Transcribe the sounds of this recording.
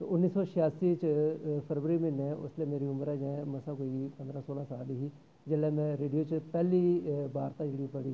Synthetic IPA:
ʊnːiːsɔːʃɪjaːsiːt͡ʃpʰəɾʋəɾiːmẽnɛ̃ːʔʊ̰sleːmeːɾiːʊməɾɛːd͡ʒɛ̃ːməsãːkoːiːpənd̪ɾãːsoːlãːsaːliɦiː | d͡ʒɪlɛːmɛ̃ːɾeːɖijoːt͡ʃpɛːliːbaːɾt̪ãːd͡ʒeːɽiːpəɽiː

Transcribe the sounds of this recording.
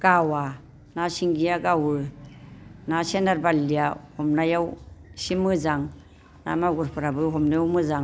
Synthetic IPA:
ɡ̥awa | nasiŋɡijaɡawɯ | nasenaɾbalːijahɔmnajawsimɯzaŋ | na̰maɡuɾpʰɯɾabɯɦɔmnajawmɯzaŋ

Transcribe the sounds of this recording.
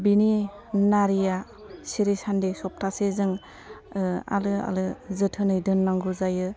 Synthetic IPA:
bini | naɾija | siɾisandesɔp̚tʰasezɯŋ | a̰lɯa̰lɯzɯtʰɯnɯjdɯnːaŋɡuzajɯ

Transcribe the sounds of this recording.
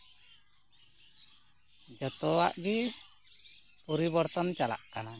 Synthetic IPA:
d͡ʒɔt̪ɔaʔɡi | puɾibɔɾt̪ɔnt͡ʃala̰ʔkana

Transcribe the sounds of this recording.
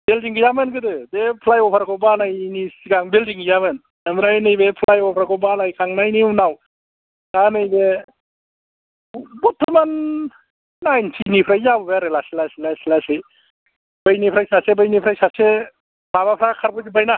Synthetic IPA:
beldiŋɡɯjamɯnɡɯdɯdepʰlajɔpʰaɾkʰɔbanajnisiɡaŋbeldiŋɡɯjamɯn | amɾajnɯjbepʰlajɔpʰɾakɔbanajkʰaŋnajninaw | tanɯjbe | but̪ʰːɯmanː | ajntʰinipʰɾajjabbeɾelasilasilasilasɯj | b̥əjnipʰɾajsasebəjnipʰɾajsase | mabapʰɾakʰaɾbɯzibajna

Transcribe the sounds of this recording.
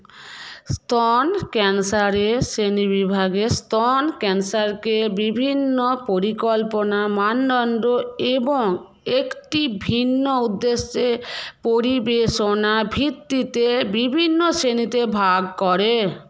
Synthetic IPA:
st̪ʰɔnkɛnsaɾesenibibʱaɡest̪ɔnkɛnsaɾkebibʱinːopoɾikɔlponamanːɔnɖoeboŋ | ekʈibʱinːoud̪ːeʃepoɾibeʃonabʱit̪ːit̪ebibʱinːoʃenit̪ebʱaɡkɔɾe

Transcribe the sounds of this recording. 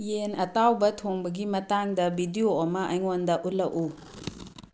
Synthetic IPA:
jenɐtawbɐtʰoŋbɐɡimɐtaŋdɐbidioɐmɐʔɐjŋondɐʔulɐʔu

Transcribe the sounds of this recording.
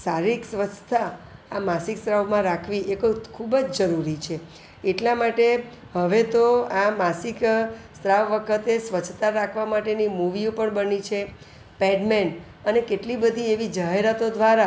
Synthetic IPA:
saɾiksʋət͡ʃʰt̪ʰaamasikst̪ɾaʋmãɾakʰʋiʔekokʰubəd͡ʒd͡ʒəɾuɾit͡ʃʰe | eʈlamaʈe | ɦəʋet̪oamasikst̪ɾaʋːəkʰət̪esʋət͡ʃʰt̪aɾakʰʋamaʈenimuʋiõpəɳbənit͡ʃʰe | pɛɖmen | ənekeʈlibəd̪ʱieʋid͡ʒaɦeɾat̪od̪ʋaɾa

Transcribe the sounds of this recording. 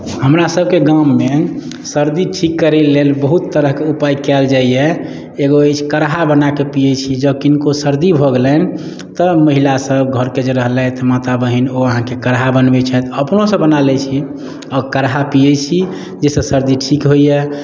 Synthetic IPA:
həmɾasəb̚keɡamːe | səɾd̪iʈʰikːəɾelːelbəɦut̪ːəɾəɦkeupajkɛld͡ʒaiɛ | eɡoet͡ʃʰkəɾɦabənakepijɛt͡ʃʰid͡ʒəb̚kinkosəɾd̪ibʱoɡelən | t̪əməɦilasəbɡʱəɾked͡ʒeɾəɦlɛt̪ɔmat̪abəɦinoəɦãkekəɾɦabənbɛt͡ʃʰɛt̪əpnosəbbənalɛt͡ʃʰi | ɔːkəɾɦapijɛt͡ʃʰi | d͡ʒesə̃səɾd̪iʈʰikɦojɛ

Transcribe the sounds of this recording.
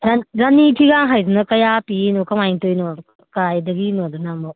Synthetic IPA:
ɾaɾanipʰiɡaŋɦajzunɐkɐjapinokɐmajŋtojno | kaajdɐɡinodunamɔ

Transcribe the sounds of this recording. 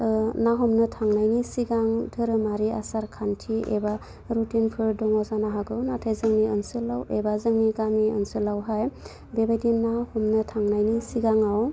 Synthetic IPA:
naɦɔmnɯtʰaŋnajnisiɡaŋdʰʱɯɾɯmaɾia̰saɾkʰantʰiḛba | ɾutinpʰɯɾdɔŋɔzanaɦaɡɯwnatʰajzɯŋniənsɯlawebazɯŋniɡamiə̰nsɯlawɦaj | bebajdinahɔmnɯtʰaŋnajnisiɡaŋaw

